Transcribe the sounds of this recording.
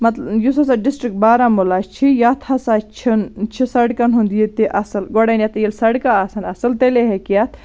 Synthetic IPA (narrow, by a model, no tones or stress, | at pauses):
mɐt̪jusɐs̬aɖisʈɾik̚ʈ̚baːɾamulat͡ʃʰijat̪ʰhɐsaːt͡ʃʰint͡ʃʰisɐɖkɐnɦund̪jit̪iʔɐsɨlɡoɽɐnʲjɐt̪ɐjilsɐɽkaɐsɐnɐsɐlt̪eleɦekijɐt̪ʰ